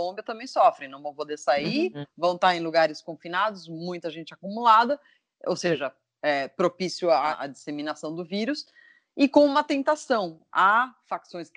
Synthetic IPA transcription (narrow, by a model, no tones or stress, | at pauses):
lõmbiɐt̪ɐ̃mbẽj̃sɔfɾɪ̃nɐ̃w̃vɐ̃w̃pod̪eɾsaivɐ̃w̃t̪aẽj̃luɡaɾɪskõfinad̪ʊsmũj̃t̪ɐʒẽnt͡ʃɪakumulad̪ɐ | o̰wseʒɐ | ɛpɾopisjʊaʔɐ̰d͡ʒisemĩnasɐ̃w̃d̪ʊviɾʊs | ɪkõũmɐt̪ẽnt̪asɐ̃w̃ | afaksõj̃sk